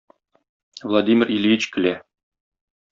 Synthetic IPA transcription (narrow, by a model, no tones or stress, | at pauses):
vlˠad̪ʲimʲɪrilɡit͡ɕkɘ̆læ